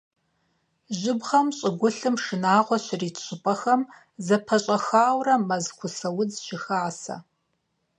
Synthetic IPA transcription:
ʒɪbʁɐmɕʼɪɡʷʊɬɨmʂɨnaːʁʷɔɕriːtʰɕʷʼɪpʼɐxɐm | zɐpʰɐɕʼɐxaːwrɐmɐzχʷʊsɐwʊd͡zʃɪxaːsɐ̰

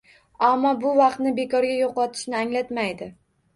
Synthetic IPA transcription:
amːɒbʊvɑqt̪nɪbe̞kʰɒɾɡʲajoqɒt̪ʰɪ̥ʃnɪaŋlat̪majd̪ɪ

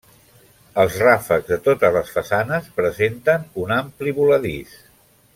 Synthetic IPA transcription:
əlˠzrafəɡzðət̪ot̪əzləsfəsanəspɾəzent̪ənunampliβuləðis

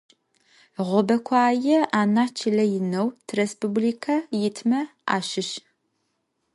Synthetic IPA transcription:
ʁʷɔbɐkʷʰaːjɪaːnaːt͡ʃʰɪlɐjɪnɐwtʰrespubliːkʰɐjɪtʰmɐa̰ːʃɪʃ

